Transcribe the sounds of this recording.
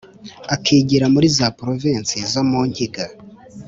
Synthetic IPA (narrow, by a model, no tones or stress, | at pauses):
akʰiːɟiɾamuɾizapɾovinsizomuɲɟiɡa